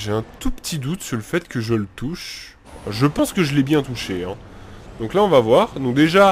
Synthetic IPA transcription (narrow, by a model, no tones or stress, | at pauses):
ʒeɛ̃t̪upə̥t̪ʰid̪ut̪syʁləfɛt̪kʰəʒələt̪uʃ | ʒəpɑ̃skəʒəlɛbjɛ̃t̪uʃeɛ̃ | d̪ɔ̃klaɔ̃vavwaʁd̪ɔ̃k̚d̪eʒa